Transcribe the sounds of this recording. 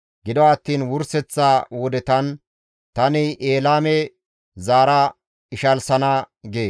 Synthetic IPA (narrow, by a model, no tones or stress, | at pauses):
ɡɪd̪ɔaːt̪ːiːnwʊɾsɛt͡sːaːwɔd̪ɛt̪ɐn | t̪ɐnɪʔeːlaːmɛ | zaːɾɐ | ɪʃɐlsɐna | ɡeː